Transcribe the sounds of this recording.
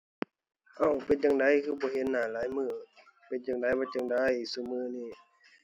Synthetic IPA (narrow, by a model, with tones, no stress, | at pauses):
ʔa˧˩wpe˨˦nt͡ɕaː˨ŋda˧˥˨jkʰɯː˧˩bɔː˧˦ɦe˧˦nːaː˧˩laː˨˦jmɯː˧˩ | pe˨˦nt͡ɕaː˨˩ŋda˧˩jbɔː˧˦t͡ɕa˧˨ŋda˧˥jsuː˧˩mɯː˧˩niː˧˩˨